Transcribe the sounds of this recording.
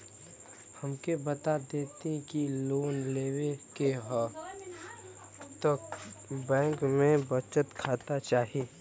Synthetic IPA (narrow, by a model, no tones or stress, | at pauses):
hɐmkebət̪ad̪eːt̪ẽkiloːnleːwekeɦɔ | t̪əkbɛ̃ːŋkmẽbət͡ʃət̪kʰaːt̪at͡ʃaːɦieː